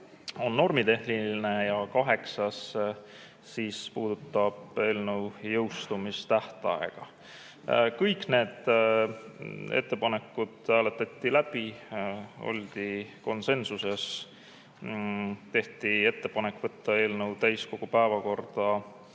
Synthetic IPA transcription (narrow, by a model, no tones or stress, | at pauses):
o̞nːo̞rmit̪e̞ɦliine̞jɑkɑɦe̞ksɑs | siːspuːd̪̥ut̪ːˑɑb̥e̞ːlnəwjɤwst̪umist̪æht̪ɑ̰ḛɡ̥ɑ | kɯjkne̞ːd̪̥ | e̞̰t̪ːe̞pɑne̞kːˑud̪̥hæːle̞t̪ːˑɑt̪ˑːilæb̥i | o̞̰lʲd̪̥iko̞nse̞nsuse̞s | t̪e̞ht̪ie̞t̪ːe̞pɑne̞kːˑvɤt̪ːɑe̞ːlnɤwt̪æjsko̞ɡ̥upæevɑko̞rd̪̥ɑ